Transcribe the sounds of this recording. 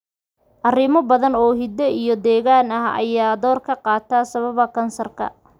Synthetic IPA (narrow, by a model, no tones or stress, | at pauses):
ʔɐrɪmɔbɐðɐnɔːɦɪd̪ɛijɔd̪ɛːɣaːnɐhɐ̰jaːd̪ɔːrkʰɐqɑːt̪ʰaːsɐβɐβɐkʰɐnsɐrkʰɐ̰